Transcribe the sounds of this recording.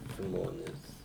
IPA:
ˈʒmoːnʲeːs

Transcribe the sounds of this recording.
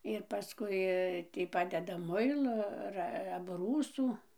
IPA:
ɪr pɐˈskʊɪ ˈtʲiː ˈpɑːdʲɛdɐ ˈmʊɪlˠoː ˈɐr ɐbˈruːsuː

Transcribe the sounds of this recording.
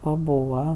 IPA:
pɐˈbuːʋɐ

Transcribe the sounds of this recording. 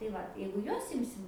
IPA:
tɐɪ ˈʋɐt jɛɪɡʊ ˈjuɔs ˈɪmʲsʲɪm

